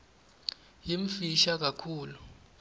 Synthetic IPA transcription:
jiɱ̩fiʃak̬ʼakʰuːlu

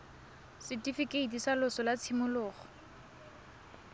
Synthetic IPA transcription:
sɪtʼifikʼeitisalʊsɔlat͡sʰimʊlʊːχɔ̥

